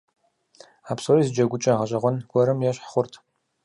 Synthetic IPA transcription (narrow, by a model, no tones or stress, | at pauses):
aːpsorizɨd͡ʒɐɡʷʊt͡ʃʼɐʁɐɕʼɐʁʷɔnɡʷɔɾɨmjɛɕħχʷʊrtʰ